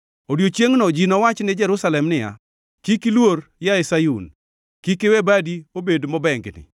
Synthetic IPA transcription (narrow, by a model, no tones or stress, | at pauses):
odjot͡ʃjeŋnɔd͡ʒinɔwat͡ʃnɪd͡ʒɛɾʊsalɛmnɪja̰ | kikilworjaɛsajun | kikɪwɛbadiobedmɔbɛŋɡnɪ̰